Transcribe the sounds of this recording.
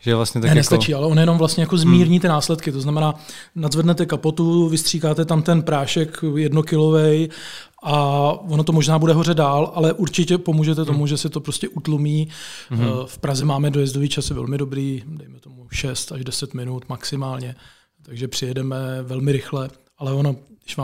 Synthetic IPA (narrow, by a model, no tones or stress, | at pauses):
ʒɛvlastɲɛt̪anɛnnɛst̪at͡ʃiːʔalɛʔo̞njɛnomvlast̪ɲɛjako̞zmiːɾɲiːt̪ɪnaːslɛt̪kɪt̪oznamɛnaː | nad̪zvɛdnɛt̪ɛkapo̞t̪uvɪst̪r̝̥iːkaːt̪ɛt̪amt̪ɛnpɾaːʃɛkjɛdnokɪlo̞vɛj | ʔaonot̪o̞moʒnaːbudɛɦo̞r̝ɛdaːlʔalɛʔuɾt͡ʃɪcɛpo̞muːʒɛt̪ɛt̪o̞muʒɛsɪt̪opɾo̞scɛʔut̪lumiː | fpɾazɛmaːmɛdojɛzdoviːt͡ʃasjɛvɛ̰lmɪdo̞bɾiːdɛjmɛt̪o̞muʃɛst̪aʒdɛsɛt̪mɪnut̪maksɪmaːlɲɛ | t̪aɡʒɛpr̥ɪjɛdɛmɛvɛlmɪɾɪxlɛ | ʔalɛonoɪʃʋaː